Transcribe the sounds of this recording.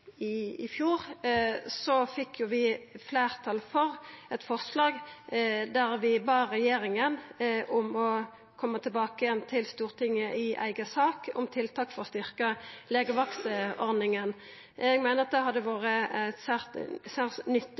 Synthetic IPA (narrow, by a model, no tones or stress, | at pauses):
ɪɪfjuːʁ | sɔfɪkʰːjʊʋɪflæːʁt̪ʰɑlfɔʁɛt̪fɔʁslɑːɡ | d̪æɾʋɪbɑːʁɛjeːɾɪŋənʔʊmɔ | kʰɔmːət̪ʰɪlbɑːkəjɛnt̪ʰɪlst̪uːʁt̪ʰɪŋːəʔɪʔæ̰ɪɡəsɑːkʊ̰mt̪ʰɪlt̪ʰɑːkfɔʁɔst̪ʏʁkəleːɡəʋɑksəɔʁd̪nɪŋən | ɛɡmæɪnəʁɑt̪̚d̪ɛhɑd̪ɛʋoːʁəæt̪sæːʁt̪sæːʁnʏt̪ː